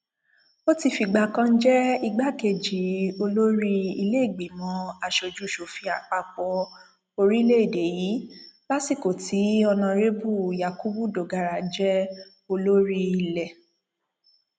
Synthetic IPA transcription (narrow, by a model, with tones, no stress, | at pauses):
o˦ti˦˧˨fi˧˨ɡ͡ba˧˨kã˦n̩˦d͡ʒɛ˦i˧ɡ͡ba˦ke˧˨d͡ʒi˨˦o˧lo˦ɾi˦i˧le˦˨ɡ͡be˨mɔ̃˨˦a˧ʃo˨d͡ʒu˨˦˨ʃo˨fi˧˦a̰˨k͡pa˧˨k͡pɔ˧˦ | o˧ɾi˦le˦i˦˨de˨ji˨˦la˦si˦˨ko˨ti˨˦ɔ˧nã˧ɾe˦bu˦˨ja˨ku˦bu˦˨do˨ɡa˨ɾa˨d͡ʒɛ˦ | o˧lo˦ɾi˦i˧˨lɛ˨